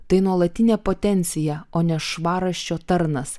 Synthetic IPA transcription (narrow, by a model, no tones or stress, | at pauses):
t̪ɐɪnuɔlˠɐt̪ʲɪnʲɛːpoːt̪ʲɛnʲt̪sʲɪjɛoːnʲɛʃʋɑːɾɐʃʲt͡ʃʲoːt̪ɐɾnɐs